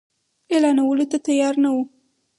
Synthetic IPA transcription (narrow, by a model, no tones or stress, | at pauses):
elɑnawəlot̪at̪ajɑɾnawu